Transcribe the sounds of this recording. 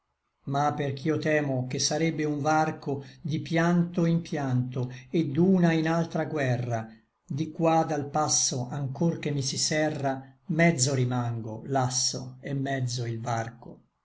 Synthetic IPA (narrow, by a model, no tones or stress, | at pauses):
mapːerkʰiot̪ɛːmokesːaɾɛbːeuɱvarkod̪ipjant̪oimpjant̪oed̪uːnainalt̪ɾaɡwɛrːa | d̪ikwad̪alpasːoaŋkork̟emːisisɛrːamɛd̪zːoɾimaŋɡo̰lasːo̰emːɛd̪zːoilvarko